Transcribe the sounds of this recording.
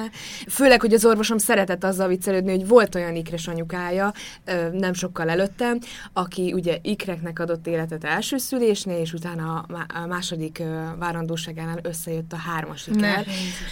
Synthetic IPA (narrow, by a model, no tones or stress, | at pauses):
føːlɛkho̞ɟɒzo̞rvo̞ʃo̞msɛɾɛt̪ɛt̪ːɒzːɒlvit̪sːɛløːd̪niho̞ɟvo̞lt̪o̞jɒnikrɛʃɒɲukaːjɒ | nɛmʃo̞kːɒlɛløt̪ːɛm | ɒkiuɟɛʔikrɛknɛkɒd̪o̞t̪ːeːlɛt̪ɛt̪ɛlʃøːsyleːʃneːleːʃut̪aːnɒmaːʃo̞d̪ikvaːɾɒnd̪oːʃaːɡɛlaːnø̞sːɛjøt̪ːɒɦaːrmɒʃikɛl